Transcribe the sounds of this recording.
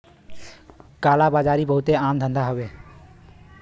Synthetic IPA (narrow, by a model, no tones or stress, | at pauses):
kaːlabaːd͡ʒaːɾibəɦut̪eaːmd̪ʱə̃nd̪aɦəbe